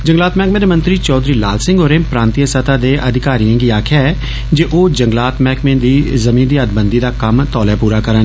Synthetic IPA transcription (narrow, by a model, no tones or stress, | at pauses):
d͡ʒə̃ŋɡlaːt̪mɛ̃ːkmẽːd̪eːmə̃nt̪ɾiːt͡ʃɔːd̪ɾiːlaːlsɪ̃ŋɡoːɾeːpɾãːnt̪ijəsət̪aːd̪eːʔəd̪ɪkaːɾijãːɡiːaːkʰjaɛː | d͡ʒeːʔoːd͡ʒəŋɡlaːt̪mɛːkmẽːd̪iːzəmĩːnd̪iːəd̪bənd̪iːd̪aːkəmt̪ɔːlɛːpuːɾaːkəɾə̃n